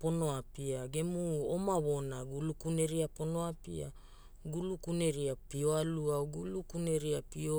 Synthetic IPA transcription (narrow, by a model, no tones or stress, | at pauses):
po̞no̞apiaɡe̞muomaβo̞naɡulukune̞ɾiapo̞no̞apḭa̰ | ɡulukune̞ɾiapio̞aluaɡulukune̞ɾiapio